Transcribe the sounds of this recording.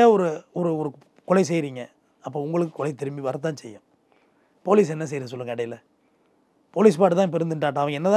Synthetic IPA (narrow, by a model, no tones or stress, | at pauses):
aːɔɾɯɔɾɯɔɾɯ | kɔlɐɪs̬ɛjɾiːŋɡɐ | ɐpːoːʊŋɡɐɭɯk̬ːɯ̥kːɔlɐɪt̪ɛɾɯmbiʋɐɾɐt̪ːãːnsɛjːɐ̃ | poːliːsɛnːɐs̬ɛjɾɯs̬ɔlːɯŋɐɐɽɐjɪlɐ | poːliːs̬paːʈɯt̪ãːpɛɾɯnd̪ɯɳʈaːʈ̬ːãːɐʋɐŋɡɐɛnːɐt̪ã